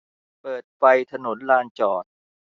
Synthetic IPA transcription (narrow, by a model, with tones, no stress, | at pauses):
pɤː˨˩t̪̚fa˧jt̪ʰa˧no˩˦nlaː˧nt͡ɕɔː˨˩t̪̚